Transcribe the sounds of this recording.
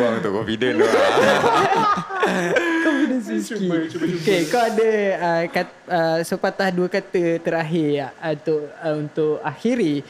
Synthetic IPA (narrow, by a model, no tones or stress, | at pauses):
aŋunt̪ʊʔkɔmfidən | kɔfidəniikekawadəəka | əsəpat̪lahduəkat̪ət̪əɾaɦɪt̪ʊʔunt̪ʊʔaxiɾi